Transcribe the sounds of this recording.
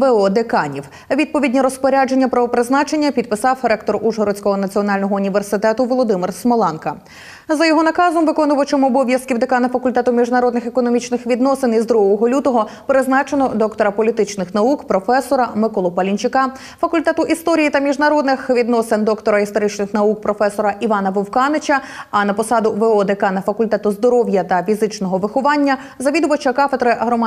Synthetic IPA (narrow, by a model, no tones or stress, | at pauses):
ʋeɔd̪ekɑnʲiw | ʋʲid̪̚pɔʋʲidʲnʲiɾɔspɔɾʲad͡ʒe̞nʲːɐpɾɐʋɔpɾɪznɑt͡ʃenʲːɐpʲid̪̚pɪsɑwɾɛkt̪ɔɾuʒɦɔɾɔt͡sʲkɔɦɔnɐt͡sʲiɔnɑlʲnɔɦɔʊnʲiʋe̞rsɪt̪ɛt̪ʊʋɔlˠɔd̪ɪmɪrsmɔlˠɛnkɐ | zɐjɔɦɔnɐkɑzɔmʋɪkɔnʊʋɐt͡ʃɔmɔːbɔʋʲjɐskʲiwd̪ekɑnɐfɐkʊlʲt̪ɛt̪ʊmʲiʒnɐɾɔd̪nɪxekɔnɔmʲit͡ʃnɪxʋʲid̪nɔsɪnizd̪ɾuɦɔɦɔlʲut̪ɔɦɔpeɾeznɑt͡ʃenɔd̪ɔkt̪ɔɾɐpɔlʲit̪ɪt͡ʃnɪxnɐukpɾɔfɛsɔɾɐmɪkɔlˠɔpɐlʲinʲt͡ʃɪkɑ | fɐkʊlʲt̪ɛt̪ʊʔist̪ɔɾʲijit̪ɐmʲiʒnɐɾɔd̪nɪxʋʲid̪nɔsend̪ɔkt̪ɔɾɐist̪ɔɾɪt͡ʃnɪxnɐuk̚pɾɔfɛsɔɾɐʔiʋɑnɐʋɔwkɑnet͡ʃʲɐɐnɐpɔsɑd̪ʊʋeɔd̪ekɑnɐfɐkʊlʲt̪ɛt̪ʊzd̪ɔɾɔwjɐt̪ɐfʲizɪt͡ʃnɔɦɔʋɪxɔʋɑnʲːɐ | zɐʋʲid̪ʊʋɐt͡ʃɐkɑfed̪ɾɪɦɾɔm